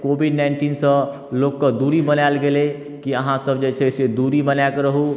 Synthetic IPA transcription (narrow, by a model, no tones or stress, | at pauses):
koːbiɖnaɪɳʈiːnsə̃ | loːkːəd̪uːɾibənalɡele | kiəɦãsəbd͡ʒet͡ʃʰesed̪uːɾibənakɾəɦu